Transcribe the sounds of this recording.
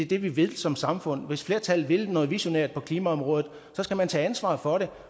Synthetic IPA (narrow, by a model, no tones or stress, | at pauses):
ed̥e̝ʋiʋeðˠsɒ̽msɑ̈mfɔ̽n̰ʋe̝sfle̝ːɐt͡sʰælʋe̝lnɔ̽ːðˠʋiɕo̝nɛɐd̥̚pʰɒ̽kʰliːmæɒ̽mʁɔ̽ːðð̩ˠ | sɒ̽sɡ̥æmænt͡sʰɛ̰ːænsʋɑ̰̈ːfɒ̽ɾe̝